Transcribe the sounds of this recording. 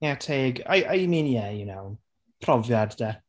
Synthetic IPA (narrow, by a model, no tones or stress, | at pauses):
ɛtʰeːɡa̰jʔajminiɛjənaw | pʰrɔvjadd̥ɛ